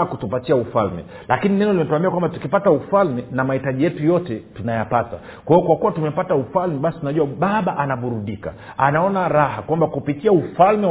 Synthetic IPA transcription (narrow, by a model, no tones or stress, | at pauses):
kutupatiaufa̰lmɛ̰ | lakininɛnɔlimɛtuambiakwambatu̥kipataufalmɛnamahitaʄijɛtujɔtɛtunajapata̰ | kwaijɔkwakuwatumɛpataufalmɛɓasi̥tunaʄuwaɓaɓaʔanaɓuɾuɗika̰ | anaɔnaɾahakwambakupitiaufalmɛ